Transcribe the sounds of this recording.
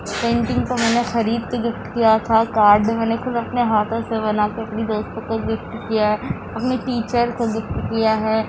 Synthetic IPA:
pẽːɳʈɪ̃ŋɡkomɛːnexɐɾiːd̪̚keɡɪfʈkijat̪ʰakaːɾɖmɛ̃ːnexʊd̪ɐpneɦaːt̪ʰõseβɐnaːkeɐpnid̪oːst̪õkoɡɪfʈkijaɦɛː | ɐpniʈiːt͡ʃəɾkoɡɪfʈkijaɦɛː

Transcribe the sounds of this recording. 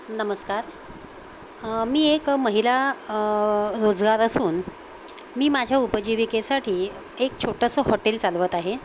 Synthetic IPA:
nəməskaɾ | miːekməɦila | ɾod͡zɡaɾəsuːn | miːmad͡ʑʱjaupəd͡ʑiʋikesaʈʰiː | ek̚t͡ɕʰoʈəsəhɔʈelt͡salʋət̪aɦe

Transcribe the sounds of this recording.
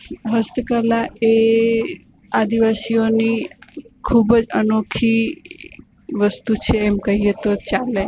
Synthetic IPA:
ɦəst̪əkəlae | ad̪iʋasijonikʰubəd͡ʒənokʰi | ʋəst̪ut͡ʃʰeːmkəɦijet̪ot͡ʃale

